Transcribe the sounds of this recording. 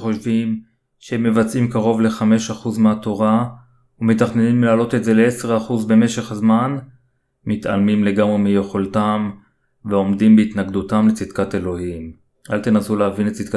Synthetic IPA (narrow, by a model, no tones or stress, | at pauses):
χoʃvim | ʃeemːevat͡simkaʁo̞vle̞χame̞ʃaχuzmeat̪o̞ʁa | umet̪aχnenimlaːlo̞t̪e̞tze̞leeseʁaχuzbe̞me̞ʃe̞χazman | mit̪a̰lmimle̞ɡamʁemijeχoltam | veo̞mdimbeit̪naɡd̪utamlet͡sid̪kate̞lo̞him | ʔalt̪enasuleavinet͡sid̪ka